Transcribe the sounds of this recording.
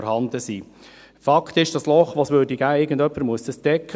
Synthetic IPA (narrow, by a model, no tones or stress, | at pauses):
ɾhɑnd̥̪əsiː | fɑkt̪ɪʃd̥ɑslɔχʋoːsʋøːdiɡæːɪɡəndœpːəɾmuəsd̥ɑsd̥ɛkʰː